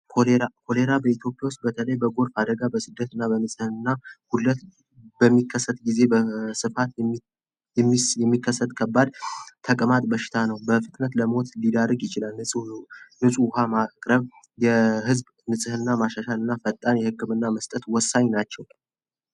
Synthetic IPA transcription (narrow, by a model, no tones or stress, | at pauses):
kʰoleɾakʰo̞le̞ɾabəit̪ʰjo̞pʼjawʊst̪̚bət̪ʰələjbəɡo̞ɾfad̪əɡabəsɨd̪ːət̪ɨnːabənɨsʼɨhɨnɨnːahulːət̪ | bəmːikʰːəsːət̪ʼɡize̞bəsɨfat̪ | ɛmjɛmːikʰːəsːət̪ʼkʰəbːad̪t̪ʰəkʼɨmat̪ʼbəʃɪ̥t̪ʰanəwbəfɨt̪ʼnət̪ləmo̞t̪lid̪arːəɡjɪt͡ʃɪlalɨnɨsʼuhamakʼɾəβ | jɛɦɨzb | nɨsʼɨhɨnːamaʃaʃalɨnːafət̪ʼːanjɛhɨkːɨmɨnːaməst̪ʼət̪wɔsːaɲnat͡ʃːɛw